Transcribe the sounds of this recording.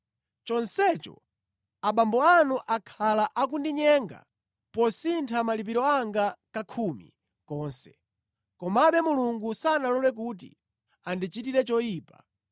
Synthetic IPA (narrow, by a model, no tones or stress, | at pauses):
t͡ʃɔnsɛt͡ʃɔ̰ | aɓambɔanuʔakʰalaʔak̬undiɲɛŋɡa̰ | pɔsintʰamalip̬iɾɔaŋɡakakʰumḭ | kɔːnsɛ̥̰ | kɔmaɓɛmuluŋɡusanalɔlɛk̬ut̬ḭ | andit͡ʃitiɾɛt͡ʃɔjiːpa